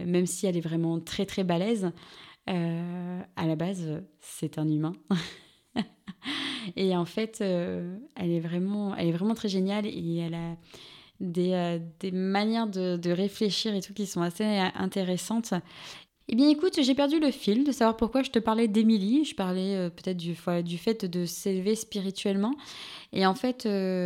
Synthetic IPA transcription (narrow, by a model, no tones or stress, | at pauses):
mɛmsiɛlɛvʁɛmɑ̃t̪χɛt̪χɛbalɛz | ø | alabazøsɛt̪ɛ̃nymɛ̃ | eɑ̃fɛt̪ʰøɛlɛvʁɛmɑ̃ɛ̰lɛvʁɛmɑ̃t̪χɛʒenjalḛɛla | d̪eød̪emanjɛʁd̪əd̪əʁefleʃiʁet̪ukʲisɔ̃aseʔɛ̰̃t̪eʁesɑ̃t̪ | ebjɛ̃ekut̪ʒepɛʁd̪yləfilmd̪əsavwaʁpuʁkwaʒət̪əpaʁlɛd̪emiliʒəpaʁlɛøpøt̪ɛt̪χd̪yfwɛd̪yfɛt̪d̪əselvespiʁit̪ɥɛlmɑ̃eɑ̃fɛt̪ʰø